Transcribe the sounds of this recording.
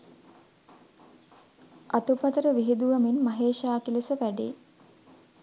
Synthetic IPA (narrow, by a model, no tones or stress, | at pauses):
ʔat̪upɐt̪əɾəʋiɦid̪uʋaminmaɦeːʃaːkilisəʋæɖḛː